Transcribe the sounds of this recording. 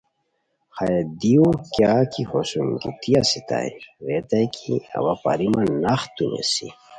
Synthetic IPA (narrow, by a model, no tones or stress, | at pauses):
xajed̪iukjakihosumkit̪ijasit̪a̰jiɾet̪ajkʰiɐ̰wapa̰ɾimanaxt̪unḛsi